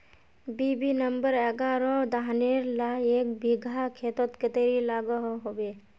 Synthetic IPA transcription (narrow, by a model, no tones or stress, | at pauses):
bibinəmbəɾɛɡaːɾɔd̪aɦneɾlaeːk̚bʱiɡʱakʰeːt̪ɔt̪kət̪eɾilaːɡɔɦɦobe